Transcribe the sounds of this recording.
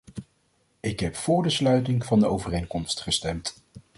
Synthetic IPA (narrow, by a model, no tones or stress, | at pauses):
ɪkɦɛpfʊːɹdəslœɥtɪŋv̥ɑndəowvərejŋkɔmstχəstɛmt